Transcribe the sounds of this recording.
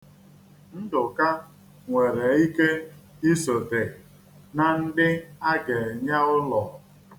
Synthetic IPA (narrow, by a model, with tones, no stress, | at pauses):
n̩˦dʊ˨ka˦ | ŋʷe˨ɾe˨i˦ke˦ | i˦so˨te˨ | na˨n̩˦dɪ˦a˦ɡe˨ɲa˦ʊ˦lɔ˨